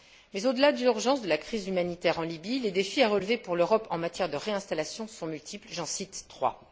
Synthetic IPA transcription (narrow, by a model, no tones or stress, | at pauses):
mɛzod̪əlad̪lyʁʒɑ̃sd̪əlakχizymanit̪ɛʁɑ̃libiled̪efiaʁəlvepuʁløʁɔpɑ̃mat̪jɛʁd̪əʁeɛ̃st̪alasjɔ̃sɔ̃mylt̪ʰiplʒɑ̃sit̪ːχwa̰